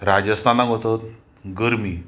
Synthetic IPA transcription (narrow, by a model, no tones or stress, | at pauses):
ɾad͡ʑəst̪ʰanaɡɦot̪ət̪ | ɡəɾmiː